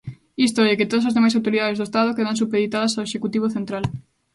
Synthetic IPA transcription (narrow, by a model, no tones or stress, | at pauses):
ist̪oɛket̪oðɐsazðemajsawt̪oɾiðað̞ezðoest̪aðokeðans̬upeðit̪aðɐsaeʃekut̪iβ̞oθent̪ɾal